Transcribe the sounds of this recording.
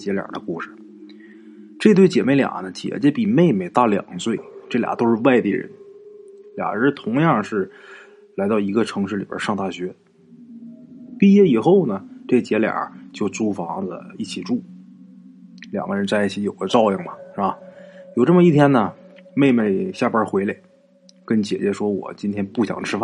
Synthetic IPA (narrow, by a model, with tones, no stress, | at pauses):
t͡ɕjɛ˧˥ljɑ̰˨˩d̪ə̰˦ku˥˩ʂɻ̩˩ | ʈ͡ʂt̪we˥˩ɪt͡ɕjɛ˨˩me˥ɪljɑ̰˨˩nə˦t͡ɕjɛ̰˧˥t͡ɕjɛ˥pi˨˩me˥˩ɪme˨˩ɪt̪a˥˩ljɑ̰˨˩ŋt͡swe˥˩ɪʈ͡ʂɤ˥˩lja̰˨˩t̪o˥ʊʂɻ̩˥˧wa˥˧ɪt̪i˥˩ɻə̰˧˥˦n | ljɑ̰˨˩ŋɻə˧˥t̪ʰʊ˧˥ŋjɑ˥˧ŋʂɻ̩˥˩ | la˧˥ɪt̪ɑ˥˩ʊi˧˥ɡə˧ʈ͡ʂʰɤ˧˥ŋʂɻ̩˥˩li˨˩bə̰˞˧˥ʂɑ˥˧ŋt̪a˥˩ɕɥɛ˧˥ | pi˥˧jɛ˥˩i˨˩xo˥˩ʊnə˩ʈ͡ʂɤ˥˩ə˧t͡ɕjɛ˧˥ljɑ̰˨˩t͡ɕjo˥˩ʊt͡su˥fɑ˧˥ŋlə̰˧i˥˩t͡ɕʰi˨˩ʈ͡ʂu˥˩ | ljɑ̰˨˩ŋɡə˧ɻə˧˥nt͡sa˥˧i˥˩t͡ɕʰi˧˥jo˨˩ʊɡə˦ʈ͡ʂɑ˥˧ʊi˥˩ŋmɐ˩ʂɐ˧˩jo˨˩ʊʈ͡ʂə˥˩mə˧i˥˩t̪ʰjɛ˥nnə˨me˥˧ɪme˥˩ɪɕja˥˩pə˞˥xwe˧˥ɪle˧˩˦ɪ | kə˥nt͡ɕjɛ̰˨˩t͡ɕɥɛ˧˥ʂwɔ˥wɔ̰˨˩t͡ɕi˥nt̪ʰjɛ˥npu˥˩ɕjɑ̰˨˩ŋʈ͡ʂʰɻ̩˥fa˥˩